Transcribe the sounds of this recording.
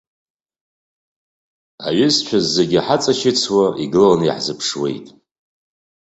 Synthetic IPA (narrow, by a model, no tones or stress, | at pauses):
a̰ɥʏst͡ʃʷʰazːeɡʲiaħat͡sʼaʃɪt͡sʰwaʔiɡɨllanḭħzɨpʰʂwe̞̰jtʼ